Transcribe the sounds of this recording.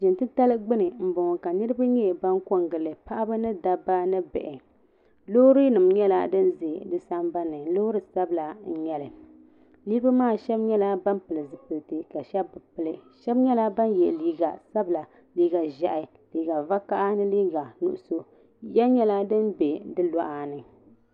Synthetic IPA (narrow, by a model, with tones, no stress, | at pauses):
ʒɪ˨ntɨ˦ta˦lɨ˦ɡ͡bɨ˦nɨ˨m̩˨bʊ˨ŋɔ˨ka˨nɨ˦ɾɨ˦ba˦ɲɛ˦˨ba˦ŋko˦ŋɡɨ˨lɨ˨pa˦ʔa˦ba˦nɨ˦da˦ba˦nɨ˦bɛ̰˨ʔɛ˨ | lo˦ɾɨ˦nɨ˨mɲɛ˦la̰˦dɨ˦nze˨dɨ˦sa˦mba˦nɨ˨˦lo˦ɾɨ˨sa˦bla˨n̩˨ɲɛ˦lɨ˨ | liː˦ba˦maː˦˨ʃɛ˦bɲɛ˦la˦ba˦mpɨ˨lɨ˨zɨ˨pɨ˨ltɨ˨ka˨ʃɛ˦bːɨ˨pɨ˦˨lɨ˨ʃɛ˦bɲɛ˦la˦ba˦njɛ˨liː˦ɡa̰˨sa˦bɨ˨la˨ | liː˨˦ɡa˨ʒa˨ʔɪ˨ | liː˨˦ɡa˨va˦ka˦ʔa˦nɨ˦liː˦ɡa˨nṵ˦ʔʊ˦so˦ | ja˦ɲɛ˦la˦dɨ˦nbe˨dɨ˦lɔ˦ʔa˨nɨ˨